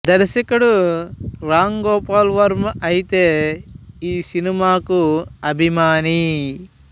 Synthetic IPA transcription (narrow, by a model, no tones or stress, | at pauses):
d̪ɐɾsɐkɐɽu | ɾaːŋɡoːpaːlʋɐɾmʔɐjit̪eː | iːsinimaːkuɐbʱimaːni